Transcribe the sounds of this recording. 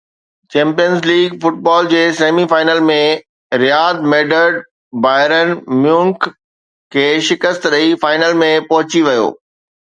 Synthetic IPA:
t͡ɕɛ̃ːmpijənzliːɡfʊʈ̚baːld͡ʑeːseːmifaːɪnəlmẽ | ɾjaːd̪̚meːɖəɾɖ | baːɦɪɾənmjũːŋk | kʰːeːʃɪkəst̪ɾəifaːɪnəlmẽpɐɦʊt͡ɕiʋijo̰ː

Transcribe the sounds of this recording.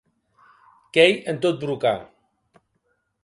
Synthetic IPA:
kejent̪ot̪̚bɾuka

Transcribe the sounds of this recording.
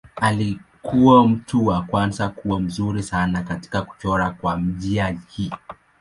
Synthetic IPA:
ali | kʰuwam̩tuwakwanzakuam̩zuɾisanakati̥kaku̥t͡ʃɔɾakwam̩ʄiahi

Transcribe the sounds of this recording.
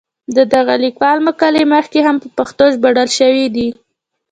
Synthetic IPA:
d̪əd̪aɣalikwɑlməkaleməxkeɦampəpaxt̪oʒbaɽalʃəwid̪i

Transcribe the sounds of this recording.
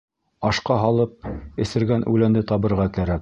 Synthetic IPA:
ɑʃqɑɦɑlˠɤp̚ɘ̆sɘ̆ɾɡænʔʉlænd̪ɘt̪ɑβɤ̆ɾʁɑkæɾæk̚

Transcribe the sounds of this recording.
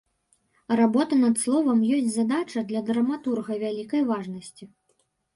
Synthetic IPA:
rabɔt̪ɐnɐt̪slˠɔvɐmjɔsʲtʲt͡sʲzad̪at͡ʂɐd̪lʲɐd̪ɾɐmat̪urɣɐvʲalʲikɐjvaʐnɐsʲt͡sʲi

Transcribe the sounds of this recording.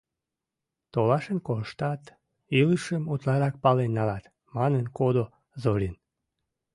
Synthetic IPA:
t̪olɑʃənkolʃt̪ɑt̪ | iləʃəmut̪lɑɾɑk̚pɑlenːɑlɑt̪ | mɑnənkod̪o | zoɾʲin

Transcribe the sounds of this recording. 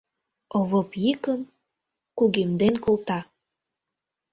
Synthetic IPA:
oβopjikəm | kuɣemd̪enkolt̪ɑ

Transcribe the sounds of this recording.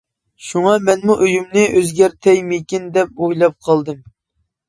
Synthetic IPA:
ʃuŋɑmɛnmuʔøjymnɨʔøzɡʲɛɾt̪ʰɛjmekʲind̪ɛp̚ojlˠɑp̚qʰɑlˠd̪ɨm

